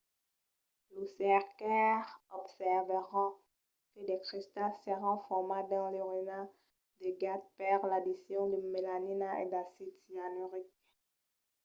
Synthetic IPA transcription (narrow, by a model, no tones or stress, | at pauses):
lusɛʁkɛʁɔpsɛʁvəʁɑ̃ | kəd̪ɛkχist̪alsəʁɑ̃fɔʁmad̪ɑ̃leʁyna | d̪eɡat̪̚paʁlad̪isjɔ̃d̪əmelaninaḛd̪asit̪ianyʁik̚